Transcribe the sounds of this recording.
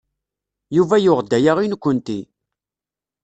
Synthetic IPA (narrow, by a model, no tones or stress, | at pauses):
juvæjʊʁd̪ːæjaʁinkʷːənt̪i